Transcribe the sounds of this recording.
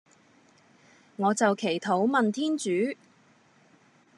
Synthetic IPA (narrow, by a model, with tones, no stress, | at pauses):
ŋɔː˨˧t͡sɐ˨wkʰe˨˩jt̪ʰo˨˥wmɐ˨nt̪ʰiː˥nt͡ʃyː˨˥